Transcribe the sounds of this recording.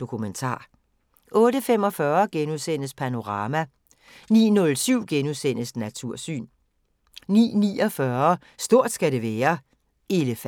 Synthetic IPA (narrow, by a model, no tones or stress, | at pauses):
d̥o̝kʰument͡sʰɑ̰̈ː | ʔɔ̽ːɾəfem̰ɒ̽fɶːɐɡ̥enuðˠsen̰əspʰæno̝ʁɑ̈ːmæ | nḭːnɔ̽lsyʊ̰ɡ̥enuðˠsen̰əsnæt͡sʰuɐ̰sy̰ːn | nḭːnḭːɒ̽fɶɐ | sd̥o̝ɐ̰d̥sɡ̥æɾe̝ʋɛːɐ | ʔe̝ləf